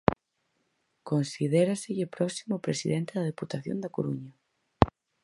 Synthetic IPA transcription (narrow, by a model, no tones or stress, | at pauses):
konsiðɛɾasɪʎɪpɾɔsimʊpɾesiðɛnt̪ɪðɐð̞eput̪aθjo̰nd̪ɐkoɾuɲɐ